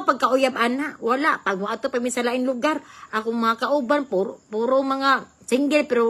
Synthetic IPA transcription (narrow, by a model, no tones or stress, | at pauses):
paɡ̚kaʔʊjabʔanaʔwalaʔpaɡ̚moʔat̪opamisalaʔɪŋlʊɡaɾʔakʊŋmaŋakaʔʊbanpupuːɾomaŋa | sɪŋɡɛlpɛɾo